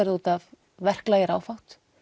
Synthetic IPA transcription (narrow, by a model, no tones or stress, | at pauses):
ɛɾðuːt̪av | vɛr̥klaːjɪɾaːwfawt̪